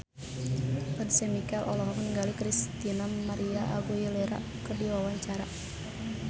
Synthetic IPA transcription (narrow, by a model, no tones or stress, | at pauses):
pədsɛmikalʔɔlɔɦɔknŋɡalikɾist̪inamaɾiaʔaɡujileɾa̰ | kərdiwawaɲt͡ʃaɾa